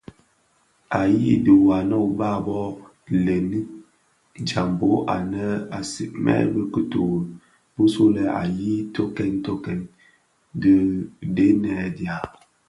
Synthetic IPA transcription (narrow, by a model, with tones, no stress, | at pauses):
a˨ji˦də˨wa˨nɔ˦˨ba˦˨bɔ˦ | le˨ni˦ | d͡ʒa˨m˨bo˨˦ʔa˨nə˦a˨sḭ˨ʔmɛ̰˦bə˦kə˦to˨ | bu˦so˦lɛ˨a̰˨ji˦to˦kɛ˦nto˦kɛ˨n | də˦de˦nɛ˨dja˨